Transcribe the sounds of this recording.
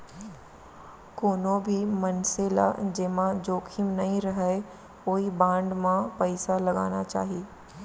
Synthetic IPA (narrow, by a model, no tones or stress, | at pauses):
koːnõbʱimɐnseːla̰d͡ʒeːmãd͡ʒoːkʰimnɐɦĩɾɐɦe | oːibãːɳɖmãpəɪsalɐɡa̰ːnat͡ʃa̰ːɦieː